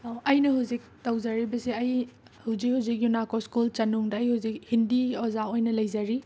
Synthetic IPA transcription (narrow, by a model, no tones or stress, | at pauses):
ɐjnɐɦuzik̚tɐwzaɾibɐsiɐj | huwzik̚huwzik̚junakoskult͡ʃɐnuŋdɐɐjhuwzik̚hindiozaojnɐlɐjzɐɾi